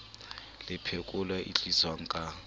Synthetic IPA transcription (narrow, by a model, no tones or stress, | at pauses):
lɪpʰekʼʊlwaʔḭt͡ɬʼiswaŋ̩kʼa